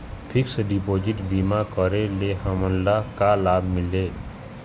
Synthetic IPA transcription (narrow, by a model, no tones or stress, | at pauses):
pʰɪksɖipoːd͡ʒɪʈbimakəɾeleɦəmənlakalaːbʱmɪleː